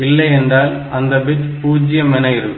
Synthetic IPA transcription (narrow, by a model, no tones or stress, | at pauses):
ɪlːɐɪɛndraːl | ɐnd̪ɐbɪt͡ʃpuːd͡ʒɪjɐmɪnɐjɪɾɯkː